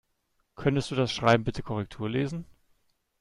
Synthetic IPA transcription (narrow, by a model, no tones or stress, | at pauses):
kʰœntəstd̥uːdasʃʁ̥aɪbm̩bɪtʰəkʰɔʁ̞ɛk̚tʰuːɐleːzn̩